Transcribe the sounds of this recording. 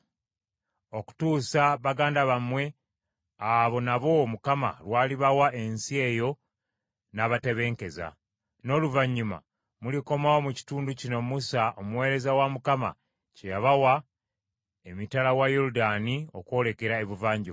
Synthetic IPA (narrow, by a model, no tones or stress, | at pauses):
o̞ku̥tuːsaβaɡaːndaβamwe̞ | aβo̞naβo̞mukama̰lwaːliβawae̞nsie̞ːjo̞ | naβate̞βe̞ːŋke̞za̰ | no̞luvaɲːuma̰ | muliko̞maomuci̥tuːnducino̞musaʔomuwe̞ːɾe̞zawamukama̰ | cejaβawa | emitalawajuɾudaːnio̞ko̞ːle̞ke̞ɾae̞βuvaːɲɟo